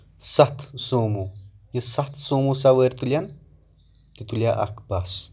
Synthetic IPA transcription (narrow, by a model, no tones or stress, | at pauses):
sat̪sumujəsat̪sumusaweɾt̪ulʲan | kit̪ulʲjaʔa̰kbas